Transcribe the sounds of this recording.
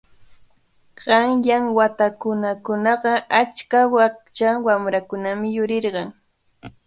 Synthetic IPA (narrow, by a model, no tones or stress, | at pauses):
ɢ̥ɑŋjaŋwat̪akʊnakʊnɑɢɑat͡ʃkawat͡ʃawamɾakʊnamɪjʊɾɪɾɢɑŋ